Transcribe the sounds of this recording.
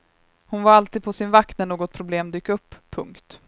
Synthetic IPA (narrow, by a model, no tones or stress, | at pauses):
hʊnvaɾalt̪iːd̪̚pʰɔsɪnvaknənoːɡɔt̪̚pʰɾʊbleːmd̪yːkɵpːʰɵŋkt̪